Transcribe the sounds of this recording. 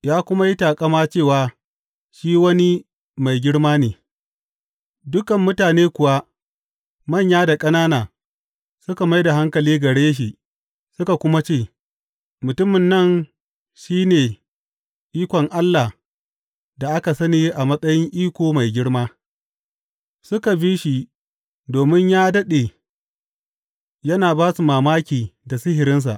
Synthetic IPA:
jaː˦kʷʊ˦ma˦ji˦taː˨kʼɐ˦maː˦t͡ʃeː˦˨waː˨ | ʃiː˦wɐ˦ni˦ | ma˨jɡʲɪ˦ɽmaː˦neː˨ | dʊ˦kɐ˨mːʊ˦taː˨neː˦kʷʊ˨wa˦ | mɐ˦˨ɲjaː˦da˨kʼɐ˦naː˦naː˨ | sʊ˦ka˨ma˦jda˨ɦa˦ŋkɐ˨liː˦ɡɐ˨ɽeː˦ʃ̬i˨ | sʊ˦ka˨kʷʊ˦ma˦t͡ʃeː˦˨ | mʊ˨tʊ˦mɪ˨nːɐ˦˨n | ʃiː˦neː˨ | ʔiː˦kʷɔ˨ŋʔa˦lːa˨ | da˨ʔa˦ka˨sɐ˦niː˦ʔa˨mɐ˦sʼɐ˦jɪ˦ŋʔiː˦kʷoː˨ma˨jɡʲɪ˦ɽmaː˦ | sʊ˦ka˨bi˦ʃi˨ | doː˨mɪ˦ɲjaː˦dɐ˦ɗe˨ | jɐ˦naː˨baː˦su˨maː˨maː˦kʲiː˨da˨sɪ˦ɦɪ˨ɾɪ˦ns̬a̰˨ʔ

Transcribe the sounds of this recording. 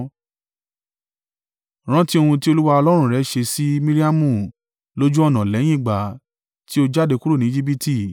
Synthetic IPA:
ɾ̃ã˦ti˦o˧hũ˧ti˦o˧lu˦wa˧ɔ˧lɔ˦ɾ̃ũ˦˨ɾɛ˨˦ʃe˧si˦mĩ˦ɾi˦a˦mũ˦˨ | lo˦d͡ʒũ˦ɔ˦˨nã˨lɛ˨˦j̃ĩ˦˨ɡ͡ba˨ | ti˦o˧d͡ʒa˦˨de˧ku˦ɾu˦˨nĩ˦d͡ʒi˦b̬i˦ti˦˨

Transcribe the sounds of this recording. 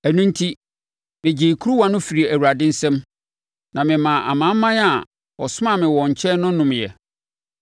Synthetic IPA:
æ˨nũ˦n˦tʰi˦ | mɪ̃˨d͡ʑi˨kʰu˦ɾu˦wã˦nʊ̃˦fi˨ɾi˨æ˨wu˨ɾa˨dɪ̃˦n̩˦sɛ̃˦m | nã˨mɪ̃˨mã˨ʔa̰˨mã˨˦mː˦ã˦n˦a˨ | ɔ̰˨sʊ˦mã˨mɪ̃˨wɔ̃˨ɲ̩˨t͡ɕʰɛ˦nʊ̃˦nʊ̃˨mjɛ̰˨

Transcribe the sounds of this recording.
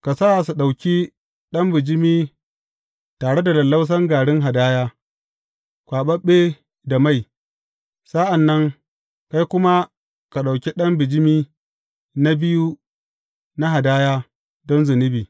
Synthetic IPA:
ka˨sa˦˨su˨ɗa˨wkʲi˦ | ɗɐ˦mbɪ˨d͡ʒɪ˦miː˦ | taː˨ɽe˦da˨lɐ˨lːa˦ws̬ɐ˦ŋɡaː˨ɽɪ˦ŋɦa˨daː˦jaː˦ | kʷaː˨ɓɐ˦ɓːe˦ | da˨ma˦˨j | sa˦ʔa˨nːɐ˦ŋ | ka˦jkʷʊ˦ma˦ | ka˨ɗa˨wkʲi˦ɗɐ˦mbɪ˨d͡ʒɪ˦miː˦ | na˦bɪ˦ju˦ | na˦ɦa˨daː˦jaː˦ | dɔ˦nzʊ˨nɪ˦biː˨

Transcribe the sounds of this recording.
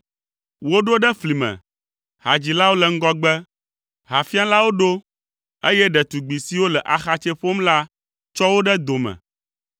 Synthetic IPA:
wo˦ɖo˦ɖɛ˦fli˨mɛ̰̃˨ | ha˨d͡ʑi˨la˦wo˦lɛ˨ŋ̩˦ɡɔ˦ɡ͡bɛ˦ | ɦa˨fi˦a˦la˦wo˦ɖo˦ | e˦jɛ˦ɖɛ˨t̪u˨ɡ͡bi˨si˦wo˦lɛ˨ʔa˨xa˨t͡ʃɛ˦ɸo˦mla˦ | t͡ʃɔ˦wo˦ɖɛ˦d̪o˨mɛ̰̃˨

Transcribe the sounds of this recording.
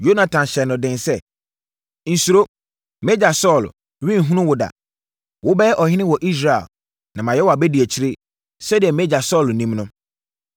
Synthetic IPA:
jo˦nã˨tʰã˨nɕɛ˨nːʊ̃˨dɪ̃˨nsɛ˦ | n̩˨su˨ɾo˦ | mɛ˦d͡ʑa˨sɔ˦˨l | ɥĩ˦n̩˨ɦũ˦nʊ̃˦wʊ˨da̰˨ | wʊ˦bɛ˦ɛ˦ʔɔ˨hɪ̃˦nɪ̃˦wɔ˨ʔi˦s̬ɾa˨ɛ̰˨l | nã˨mã˨jɛ˦wa˨bɛ˦di˨ɛ˨t͡ɕʰi˦ɾɪ˦ | sɛ˦dɪ˨ɛ˨mɛ˦d͡ʑa˨sɔ˦˨lnĩ˦mnʊ̃˦

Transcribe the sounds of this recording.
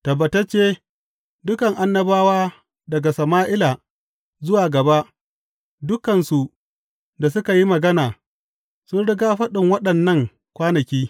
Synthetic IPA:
tɐ˨bɐ˨tɐ˦t͡ʃeː˦ | dʊ˦kɐ˨ŋʔa˦nːɐ˦baː˦waː˦ | dɐ˨ɡa˨sɐ˨maː˦ʔɪ˦laː˨ | zʊ˦waː˨ɡɐ˨ba˦ʔ | dʊ˦kɐ˨nsu˨ʔ | da˨s̬ʊ˦ka˨ji˦mɐ˨ɡɐ˦naː˨ | sʊ˦nɽɪ˦ɡaː˦ɸɐ˦ɗɪ˨ŋwɐ˦ɗɐ˨nːɐ˦ŋ | kʷaː˦nɐ˨kʲiː˦

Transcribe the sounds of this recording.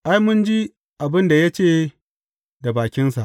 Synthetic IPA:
ʔa˦jmʊ˦nd͡ʒi˦ | ʔa˨bɪ˦nda˨ja˦t͡ʃeː˦˨ | da˨baː˨kʲɪ˦nsa˨ʔ

